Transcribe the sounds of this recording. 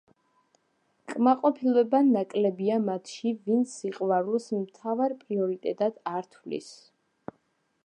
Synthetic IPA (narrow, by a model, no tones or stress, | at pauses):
kʼmaqʼɔpʰilˠɛbanakʼlɛbiamat̪ʰʃivint̪siqʼvaɾulˠsmt̪ʰavaɾpʼɾiɔɾit̪ʼɛt̪ʼad̪̥aɾt̪ʰvlḭs